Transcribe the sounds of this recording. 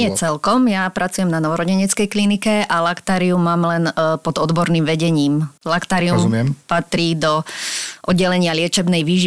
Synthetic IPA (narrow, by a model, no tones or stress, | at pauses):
ɪɛt͡sɛlkɔmjapɾʔat͡sujɛmnanɔʋɔɾɔɟɛɲɛt͡skɛjklinikɛʔalakt̪aːɾiumːaːmlɛnpɔd̪ɔd̪bɔɾniːmʋɛɟɛɲiːmlakt̪aːɾiummɪɛmpat̪ɾiːd̪ɔʔɔd̪ɟːɛlɛɲɪalɪɛt͡ʃɛbnɛjʋiːʒi